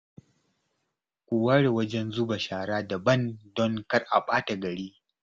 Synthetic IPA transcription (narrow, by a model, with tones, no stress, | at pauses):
kʷʊ˨wa˦ɽe˨wɐ˦d͡ʒɛ˦nzu˦ba˨ʃaː˨ɽaː˦da˨bɐ˦˨ndɔ˦ŋkɐ˦rʔa˨ɓaː˦ta˨ɡɐ˨ɽiː˦